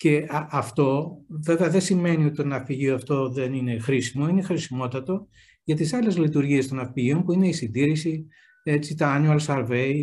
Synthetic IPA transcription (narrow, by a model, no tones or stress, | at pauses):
ce̞ʔɐft̪o̞ve̞veɐðe̞sime̞nio̞t̪it̪onɐfiʝioɐft̪o̞ðe̞nine̞xɾisimoinexɾisimo̞t̪ɐt̪o̞ | ʝɐt̪isɐle̞zlit̪uɾʝie̞st̪o̞nɐfpiʝio̞mpuine̞isind̪iɾisi | e̞t͡sit̪ɐɐnuɐlsɐɾve̞j